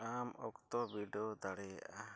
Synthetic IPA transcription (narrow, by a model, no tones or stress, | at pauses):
amɔ̰kt̪ɔbiɖod̪aɽɛja̰ʔa